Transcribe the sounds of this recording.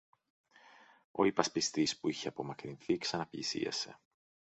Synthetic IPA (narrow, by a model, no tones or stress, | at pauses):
o̞̰ipɐspist̪ispuiçeɐpo̞mɐkɾinθiksɐnɐpʎisḭɐ̰se̞̰